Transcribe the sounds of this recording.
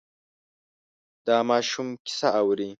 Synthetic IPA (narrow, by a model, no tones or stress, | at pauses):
d̥aːmaːʃumkʲi̥saʔawɾi